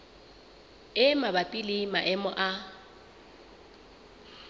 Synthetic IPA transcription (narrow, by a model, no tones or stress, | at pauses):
ɪmabapʼilɪmaʔɛmʊʔa